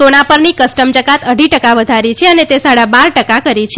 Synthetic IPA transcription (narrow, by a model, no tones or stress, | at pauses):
onapəɾnikəsʈəmd͡ʒəkat̪əɖʱiʈəkaʋəd̪ʱaɾit͡ʃʰeənet̪esaɽabaɾʈəkakəɾit͡ʃʰ